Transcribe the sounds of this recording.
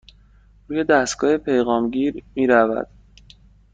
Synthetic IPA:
ɾuːje̞d̪æst̪ɡɒːhepʰejɣɒːmɟiːɾmiːɾævæ̰d̪̥

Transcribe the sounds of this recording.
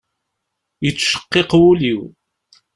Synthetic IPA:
jət͡sːʃə̥qːeqwuliw

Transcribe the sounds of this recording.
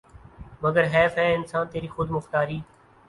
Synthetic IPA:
məɡəɾɦɛːfɦɛːɪnsaːnt̪eːɾiːxʊd̪mʊxt̪aːɾiː

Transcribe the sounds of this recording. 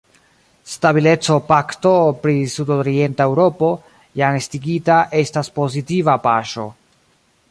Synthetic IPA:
stabile̞t͡so̞pakto̞pɾisudoɾie̞ntaewɾo̞po̞ | jaŋestiɡitaʔe̞staspo̞zitivapaʃo̞̰

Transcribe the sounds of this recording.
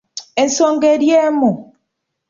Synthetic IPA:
ensoŋɡeɾjemu

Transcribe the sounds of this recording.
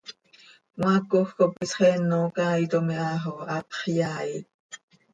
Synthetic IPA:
wakoxkopisχɛnːokait̪omiaːɦoat̪χjaːi

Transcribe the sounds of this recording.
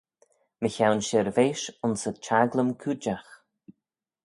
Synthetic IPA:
məçawnʃɪɾveːʃʊnsət͡ʃʰaɡləmkʰuːd͡ʒax

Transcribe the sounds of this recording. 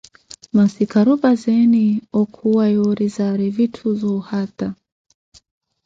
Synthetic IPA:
masikaɾubazɛniɔkʰuwajɔɾizaɾivitʰuzɔhata

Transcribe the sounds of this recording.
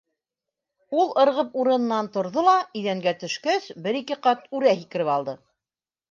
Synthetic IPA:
ulˠɤ̆ɾʁɤpuɾɤ̆nɤ̆nːɑnt̪ŏɾðolˠɑɵ̆jðæŋɡæt̪ɵ̆ʃkæsbɘɾikɘqɑt̪ʉɾæɦikɘ̆ɾɘpɑlˠd̪ɤ

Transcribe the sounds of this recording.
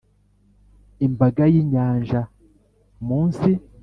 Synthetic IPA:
imbaɡajiːɲaːɲʒa | muːnsi

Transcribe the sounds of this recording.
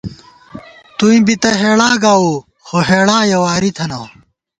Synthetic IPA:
t̪uĩbit̪ɐɦeːɭaːɡaːu | xoɦeːɭaːjɐwaːɾit̪ʰɐnɐː

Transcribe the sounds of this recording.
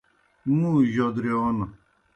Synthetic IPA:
mũːʑod̪ɾeon

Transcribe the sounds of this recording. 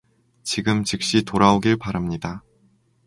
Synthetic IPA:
t͡ɕiɡɯmt͡ɕɯk̚ɕ͈itoɾaoɡiɭpaɾamɲida

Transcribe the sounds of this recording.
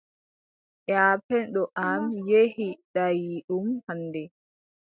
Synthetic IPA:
ʔaːpɛnɗɔʔamjehiɗajiɗumhanːdɛ

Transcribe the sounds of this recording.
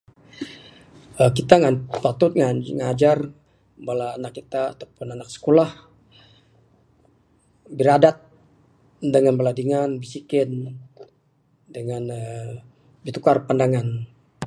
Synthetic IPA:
əkit̪aŋanpat̪ʊt̪̚ŋaŋad͡ʒar | balaːnakːit̪a̰ːt̪apʊnanak̚sə̥kolah | bəɾadat̪̚ | dəŋanbəladiŋanbisikɪn | dəŋanə | bit̪ukarpandaŋan

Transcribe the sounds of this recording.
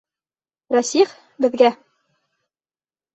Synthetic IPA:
ɾɑsiχ | bɘ̆ðɡæ

